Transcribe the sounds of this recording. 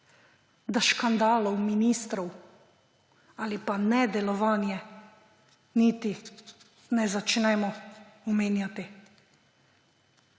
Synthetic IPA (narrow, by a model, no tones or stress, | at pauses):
d̪aʃkand̪aːlɔwminiːst̪ɾɔw | alipanɛd̪ɛlɔʋaːnjɛ | niːt̪i | nɛzat͡ʃnɛːmɔɔmeːnjat̪i